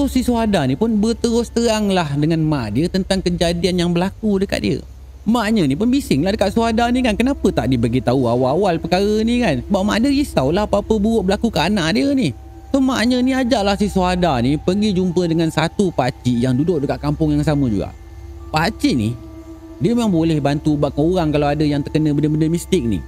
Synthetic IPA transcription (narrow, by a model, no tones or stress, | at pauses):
sosisuadanipʊnbət̪əɾʊst̪əaŋlahdəŋanmãʔdiət̪ənt̪aŋkəd͡ʒadianjaŋbəlakudəka̰t̪̚diə̰ | maʔɲə̃nipʊnbisɪŋlahdəkat̪̚suadanikankənapət̪aʔdiəbəɡit̪auawawalpəkaɣənikansəbap̚mãʔdiəisawlaɦapaapəbuʊʔ̚bəlakukəʔanaʔdiəni | somaʔɲə̃niad͡ʒaʔlahsisuadanipəɡid͡ʒumpədəŋansat̪upat͡ʃiʔjaŋdudʊʔ̚dəkat̪̚kampʊŋjaŋs̬aməd͡ʒṵɡa̰ʔ | pat͡ʃiʔnḭ | diəmemaŋbolɛhbant̪ubaʔkauɾaŋkalawadəjaŋt̪ərkənə̃bəndəbəndəmist̪ɪk̚nḭ